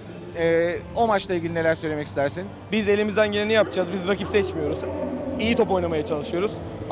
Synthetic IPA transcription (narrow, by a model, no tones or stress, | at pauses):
ɛːo̞mat͡ʃlˠailʲɟilʲine̞lʲæɾsøjlʲemɛcʰist̪ʰæɾsin | bize̞lʲimizd̪ænɟelʲinijapd͡ʒaːzbizɾakipsɛt͡ʃmijo̞ɾuzijit̪ʰo̞po̞jnamajat͡ʃʰalˠɯʃɯjo̞ɾuz̥